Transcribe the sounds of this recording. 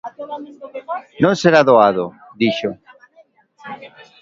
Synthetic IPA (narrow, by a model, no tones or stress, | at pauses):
nõnseɾaðoaðo | d̪iʃo